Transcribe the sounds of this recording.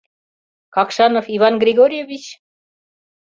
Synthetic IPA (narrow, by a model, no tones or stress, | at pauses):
kɑkʃɑnofiβɑnɡrʲiɡoɾʲjevʲit͡ɕ